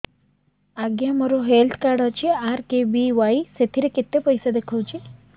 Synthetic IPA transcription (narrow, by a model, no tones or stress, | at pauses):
aɡjaməɾoɦelt̪ʰkaɽat͡ʃʰeaɾkebiʋaiset̪ʰiɾeket̪ːepəjsad̪ekʰowt͡ʃʰe